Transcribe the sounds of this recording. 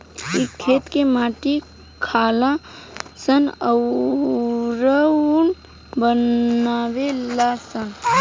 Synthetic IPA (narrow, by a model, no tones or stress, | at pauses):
ikʰːeːt̪kemaːʈi | kʰaːlasənəw | ɾən | bənawelasən